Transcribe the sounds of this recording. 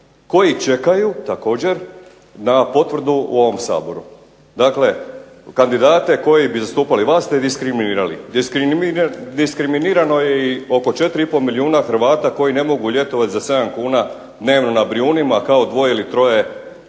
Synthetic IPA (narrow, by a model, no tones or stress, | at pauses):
ko̞jit͡ʃe̞kajut̪ako̞ːd͡ʑe̞ɾ | napo̞t̪ʋr̩d̪uṵo̞ʋo̞msa̰ːbo̞ɾu | d̪akle̞ | kand̪id̪aːt̪e̞ko̞jibizast̪uːpaliʋaːst̪ed̪iskɾiminiːɾalḭd̪iskɾid̪iskɾiminiːɾano̞jeio̞ko̞t͡ʃe̞t̪ɾiipo̞lmiliuːnaxɾ̩ʋaːt̪ako̞jine̞mo̞ɡuʎʲjet̪oʋat̪zase̞d̪amkuːna | d̪ne̞ːʋno̞nabɾiuːnimakao̞d̪ʋo̞eilit̪ɾo̞je̞